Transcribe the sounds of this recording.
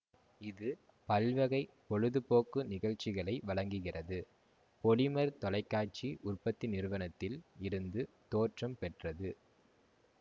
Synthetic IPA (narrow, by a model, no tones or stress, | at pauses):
ɪðɯ | pɐlʋɐɣɐɪpɔɻɯðɯpoːkːɯnɪɣɐɻt͡ʃɪɣɐɭɐɪʋɐɭɐŋɡɯɣɪrɐðɯ | pɔɭɪmɐɾt̪ɔlɐɪkːaːʈ̚t͡ʃiʔʊrpɐt̪ːɪnɪɾɯʋɐnɐt̪ːɪlɪɾɯnd̪ɯ | t̪oːʈrɐmpɛʈrɐðɯ